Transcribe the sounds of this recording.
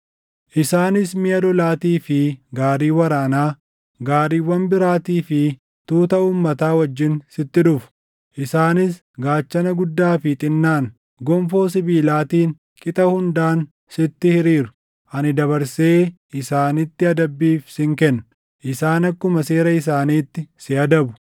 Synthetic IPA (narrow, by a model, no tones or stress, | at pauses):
ʔɪsaːnɪsmɪɐlɔlaːt̪iːfɪɡaːɾiːwɐɾaːnaː | ɡaːɾiːwɐmbɪɾaːt̪iːfɪ | t̪uːt̪ɐuːmːɐt̪aːwɐd͡ʒːɪnsɪt̪ːɪᶑʊfʊ̥ | ʔɪsaːnɪs | ɡaːt͡ʃːɐnɐɡʊd̪ːaːfɪt̪ʼɪnːaːn | ɡɔmfo̞ːs̬ɪbiːlaːt̪iːn | kʼɪt̪ʼɐhʊnd̪aːn | sɪt̪ːɪhɪɾiːɾʊ̥ | ʔɐnɪd̪ɐβɐɾseːʔɪsaːnɪt̪ːɪɐd̪ɐbːiːfsɪŋkɛnːʊ | ʔɪsaːnɐkːʊmɐse̞ːɾɐɪsaːniːt̪ːɪsɪɐd̪ɐbʊ